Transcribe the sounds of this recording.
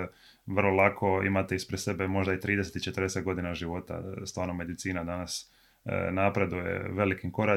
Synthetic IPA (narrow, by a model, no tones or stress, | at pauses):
ʋərlˠolˠakʰo̞ḭmat̪eispɾese̞be̞mo̞ʒd̪ait̪ɾiːd̪es̬et̪it͡ʃe̞t̪ərd̪eset̪ɡo̞d̪inaʒiʋo̞t̪a̰st̪ʋaːɾnomːe̞d̪it̪siːnad̪anas | napɾe̞d̪uje̞̰ʋe̞likimko̞ɾa